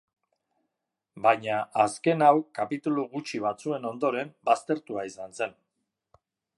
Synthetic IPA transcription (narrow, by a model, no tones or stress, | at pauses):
bajɲaʔaske̞nawkapit̪uluɣut͡ʃiβ̞at͡sue̞no̞nd̪o̞ɾe̞mbast̪e̞ɾt̪uaisanse̞n